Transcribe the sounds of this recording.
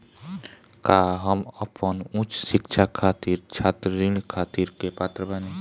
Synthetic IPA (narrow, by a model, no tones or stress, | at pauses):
kaːɦəməpənʊ̃t͡ʃsɪkʃʰakʰaːt̪iːɾt͡ʃʰaːt̪əɾiɳkʰaːt̪iːɾkepaːt̪ɾəbəne